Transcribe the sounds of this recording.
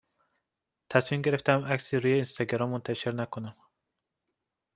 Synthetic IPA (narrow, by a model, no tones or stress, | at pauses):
t̪ʰæsmimɟe̞ɾeft̪ʰæmʔæksiɾuːjeinst̪ɑɡɾɒmːont̪ʰæʃeɾnækʰonæm